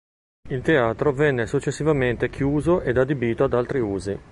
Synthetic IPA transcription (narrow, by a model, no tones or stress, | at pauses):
ilt̪eaːt̪ɾovɛnːesut͡ʃːesːivament̪ekʰjuːzoʔed̪ad̪ebiːt̪oad̪alt̪ɾiuːzi